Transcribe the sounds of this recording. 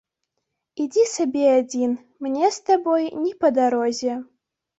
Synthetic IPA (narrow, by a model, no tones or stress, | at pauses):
id͡zʲisabʲɛad͡zʲin | mnʲɛst̪abɔjnʲɛpɐd̪aɾɔzʲɛ